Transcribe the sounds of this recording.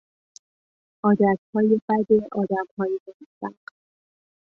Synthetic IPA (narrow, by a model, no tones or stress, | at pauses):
ʔɒːd̪æt̪hɒːje̞bæd̪e̞ʔɒːd̪æmhɒːjemomsæ̰̥